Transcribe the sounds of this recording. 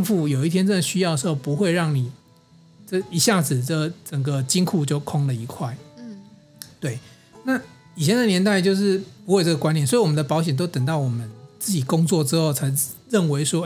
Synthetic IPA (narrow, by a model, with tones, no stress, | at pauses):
ŋfu˥˩jo˨˩ʊi˥˩t̪ʰjɛ˥nt͡sə˥˩nd̪ə˩ɕy˥jɑ˥˩ʊd̪ə˩ʂxo˥˩ʊpu˧˥xwe˥˧ɪɻɑ˥˩ŋni˨˩ | ʈ͡ʂə˥˩i˧˥ɕja˥˩d͡zɹ̩˨˩ʈ͡ʂə˩t͡sə˨˩ŋɡə˩t͡ɕi˥ŋkʰu˥˧t͡ɕjo˥˩ʊkʰo˥ŋlə˨i˧˥kʰwa˥˩ɪ | t̪we˥˩ɪ | na˥˨ | i˨˩t͡ɕʰjɛ˧˦nd̪ə˨njɛ˧˥nt̪a˥˧ɪt͡ɕjo˥˧ʊʂɻ̩˥˩pu˧xwe˥˧ɪʈ͡ʂə˥˩ɡə˩kwa˥njnswɔ˧˥i˧˨wɔ˨mə˦nd̪ə˧pɑ˧˥ʊɕ̬jɛ˨˩nt̪̬o˥ʊt̪ə˨˩ŋt̪ɑ˥˩ʊwɔ˨˩mə˦nt͡sɹ̩˥˩t͡ɕi˨˩kʊ˥ŋt͡swɔ˥˨ʈ͡ʂɻ̩˥xo˥˩ʊt͡sʰa˧ɪ˨ɻə˥˩nwe˧˥ɪʂwɔ˥